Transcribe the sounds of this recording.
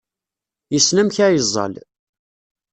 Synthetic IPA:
jəsnəmçæjəzˤːɑ̰l

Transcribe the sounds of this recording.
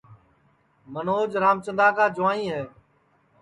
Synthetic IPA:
mənoːd͡ʒɾaːmt͡ʃə̃nd̪aːkaːd͡ʒʊʋaːnĩːɦɛː

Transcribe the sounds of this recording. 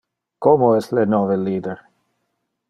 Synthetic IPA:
komoɛslenoːveliːd̪eɾ

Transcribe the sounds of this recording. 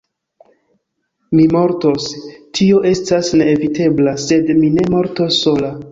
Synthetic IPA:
mimo̞ɾtostʰio̞ʔe̞stasne̞ːvite̞blase̞dmine̞mo̞ɾto̞sːo̞la

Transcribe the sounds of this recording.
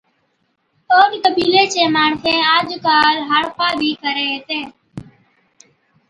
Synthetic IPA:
oːɖk̪əbiːleːt͡ʃeːmaːɳsẽːaːd͡ʒkaːlɦaːɽpaːbʱiːkəɾeːɦeːt̪ẽː

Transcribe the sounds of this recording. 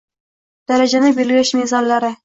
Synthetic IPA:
d̪̥æɾæʒænɪbelɡʲɪʃmezɑnlɑɾɪ

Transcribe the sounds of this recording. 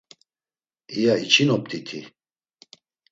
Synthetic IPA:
ijait͡ʃʰʼinɔp̚t̪ʰʼit̪ʰi

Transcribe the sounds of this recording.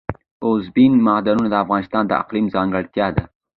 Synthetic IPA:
ʊzbinmɑhd̪anunad̪əafɣɑnɪst̪ɑnd̪ə̰a̰qlimzɑŋɡəɽt̪jɑd̪a

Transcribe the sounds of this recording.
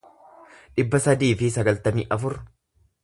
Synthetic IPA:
ᶑɪbːɐsɐd̪iːfɪsɐɡɐlt̪ɐmiːʔɐfʊɾ

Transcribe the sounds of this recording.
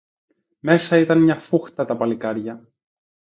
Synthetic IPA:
me̞sɐit̪ɐnmɲɐfuxt̪ɐt̪ɐpɐlikɐɾʝɐ

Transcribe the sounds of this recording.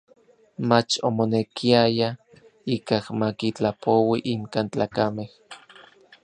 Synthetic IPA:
mat͡ʃomonekʰiaja | ikahmakit͡ɬapowiʔiŋkant͡ɬaːkameh

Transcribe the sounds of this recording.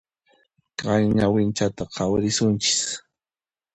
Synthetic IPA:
kɑjɲawɪnt͡ʃat̪aqʰɑwɾɪsʊnt͡ʃɪ̥s

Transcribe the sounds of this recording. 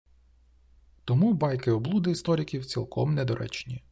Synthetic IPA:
t̪ɔmubɑjkɪɔblˠud̪ɪist̪ɔɾʲikʲiwt͡sʲilˠkʰɔmnɛd̪ɔɾʔɛ̰t͡ʃnʲi

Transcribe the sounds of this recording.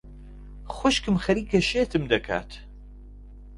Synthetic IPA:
xʷoʃkɨmxɐɾiːkʰɐʃeːt̪ʰɨmd̪ɐkʰa̰ːt̪

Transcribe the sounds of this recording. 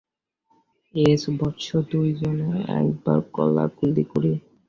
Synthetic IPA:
esbɔtːʃʰod̪ujd͡ʑoneɛ̰kbaɾkɔlːa̰ɡulːikoɾi

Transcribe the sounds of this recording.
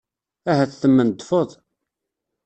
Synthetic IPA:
æɦæθθəmːənd̪ːfoðˤ

